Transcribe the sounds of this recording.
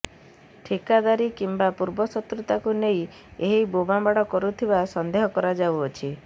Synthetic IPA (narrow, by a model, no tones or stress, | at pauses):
ʈʰikad̪aɾikimbapuɾbɔsɔt̪ɾut̪akunej | eɦibobambaɽɔkɔɾut̪ʰibasɔnd̪eɦɔkɔɾad͡ʒawɔt͡ʃʰi